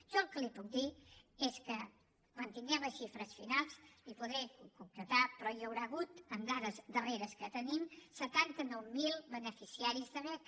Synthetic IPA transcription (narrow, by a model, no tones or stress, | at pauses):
ʃɔlkəlipuk̚d̪ieskə | kwant̪iŋɡɛməʃifɾəsfinalˠsipuðɛkukumpɾət̪apɾɔjəwɾaːɣut̪əmd̪aðəzd̪əreɾəskət̪ənimsət̪ant̪ənɔwmilˠβənəfisiaɾizðəβɛk